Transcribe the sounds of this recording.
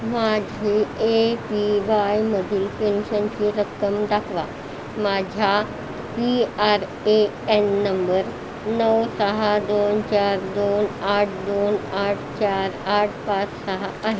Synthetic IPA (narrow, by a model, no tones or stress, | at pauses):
mad͡ʑʱiepiʋajməd̪ʱiːlpenɕənt͡ɕiːɾəkːəmd̪akʰʋa | mad͡ʑʱa | piaɾ | e | enːəmbəɾ | nəwsəɦad̪ont͡ɕaɾd̪onaʈʰd̪onaʈʰt͡ɕaɾaʈʰpat͡ssəɦaːɦe